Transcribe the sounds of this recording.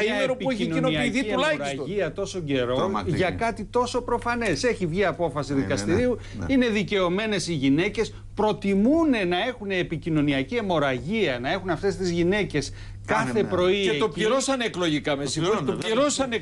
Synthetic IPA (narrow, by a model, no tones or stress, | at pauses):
ieɾopiueçinonoiɐðieulɐiɾɐsiɐt̪o̞so̞ɲɟe̞ɾo̞ʝɐkɐt̪it̪o̞so̞pɾo̞fɐne̞se̞çivʝiɐpo̞fɐsiðikɐst̪iɾiu | ine̞ðice̞o̞me̞ne̞siʝine̞ce̞s | pɾo̞t̪imune̞nɐe̞xuneːpicino̞niɐciemo̞ɾɐʝiɐnɐe̞xunɐft̪e̞st̪izʝine̞ce̞s | kɐθe̞pɾo̞ieopiɾosɐneklo̞ʝikɐmesit̪oiɾosɐne